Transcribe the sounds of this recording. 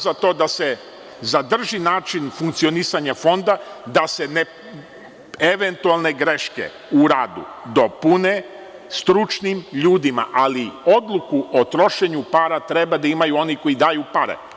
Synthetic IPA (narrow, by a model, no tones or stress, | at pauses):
zat̪o̞ːd̪ase̞ | zad̪r̩ʒinaːt͡ʃinfuŋkt̪sio̞nisaɲafo̞nd̪ad̪asene | eʋe̞nt̪ualˠne̞ɡɾe̞ʃkḛ | uɾaːd̪ṵd̪o̞pune | st̪ɾut͡ʃnimʎuːd̪ima̰ʔalio̞d̪lˠukuʔot̪ɾo̞ʃeɲupaɾat̪ɾe̞bad̪aimajuo̞niko̞id̪aːjupaɾḛ